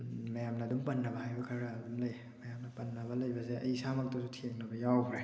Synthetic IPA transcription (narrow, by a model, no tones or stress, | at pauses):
mɐjamnɐːdumpɐnːɐbɐhajbɐkʰaɾaːdumlɐj | mɐjamnɐpɐnːɐbɐlɐjbɐseʔɐjisamak̚tusutʰeŋnɐbɐjawbɾe